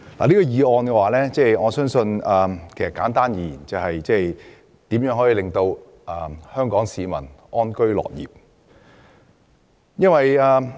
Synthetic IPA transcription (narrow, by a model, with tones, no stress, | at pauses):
la̰˨liː˥kɔ˧jiː˨˧ɔː˨˧nkɛ˧waː˨˧lɛː˥t͡sɛː˥˩jŋɔː˨˧sœː˥ŋsɵ˧nɐː˨kʰe˨˩jsɐ˨tkaː˨˥nt̪aː˥njiː˨˧˨jḭː˨˩nt͡sɐ˨whɐ˨jt͡sɛː˥˩j | t̪iː˨˥mjœː˨˥ŋɦɔː˨˥i˧lɪ˨ŋt̪o˧w | ɐː˨˩hœː˥ŋkɔː˨˥ŋsiː˨˧mɐ̰˨˩nʔɔː˥nkɵ˥ɥlɔ̰ː˨˩k̚jḭː˨p̚ | jɐ˥nwɐ˨jaː˨˧